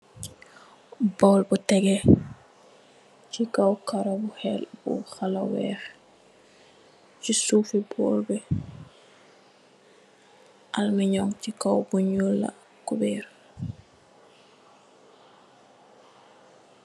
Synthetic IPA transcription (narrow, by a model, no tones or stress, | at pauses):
bɔlbutɛɡɛ | cikawkaɾobuhɛlbṵxalawɛ̰ːx | t͡ʃisufibɔ̰ːlbɛ | ʔalmiɲɔŋcikawbuɲulːa̰ | kubɛɾ